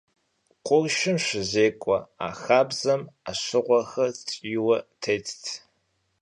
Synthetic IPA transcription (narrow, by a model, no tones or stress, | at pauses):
qʷʊrʃɪmʃɪzeːkʷʼɔ̰a̰ːxaːbzɐmaɕɪʁʷɔxɐt͡sʼjwɐtʰeːtʰtʰ